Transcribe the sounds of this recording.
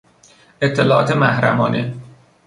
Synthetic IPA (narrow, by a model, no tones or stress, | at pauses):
et̪ʰːelɒːɒ̰ːt̪ʰemæhɾæ̰mɒ̰ːne